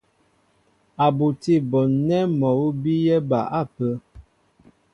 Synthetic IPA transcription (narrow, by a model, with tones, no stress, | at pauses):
a˨bo˨ti˦˨bɔ˨nɛ˦mɔ˨wu˦bi˦jɛ˦ba̰˨ʔa˦˨pə˦